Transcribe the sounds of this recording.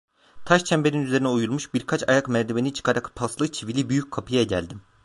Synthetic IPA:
t̪ʰaʃt͡ʃʰɛmbe̞ninyze̞ɾinɛujulˠmuʃbiɾkʰat͡ʃajakmæɾt̪ʰe̞benit͡ʃʰɯ̥kʰaɾakpʰaslˠɯt͡ʃʰivilʲibyjyc̚ʲkʰapʰɯjaɟæ̰lʲd̪im

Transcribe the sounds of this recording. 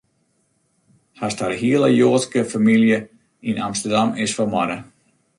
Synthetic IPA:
hastaɾhiələjoːtskəfamiljə | inamstərdamɪsfɔmɔdə

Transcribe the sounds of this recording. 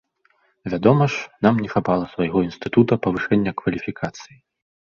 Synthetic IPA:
vʲad̪ɔmɐʂnamnʲɛxapalˠɐsvajɣɔinst̪ɨt̪ut̪ɐpɐvɨʂɛnʲːɐkvɐlʲifʲikʰat̪sɨji

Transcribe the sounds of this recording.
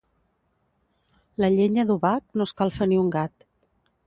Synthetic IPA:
ləʎeɲəðuβak̚noskalˠfəniuŋɡat̪

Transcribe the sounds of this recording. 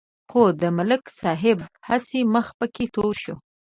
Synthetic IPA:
xod̪əmalɪksɑɦɪb̚hasiməxpəket̪oɾʃo

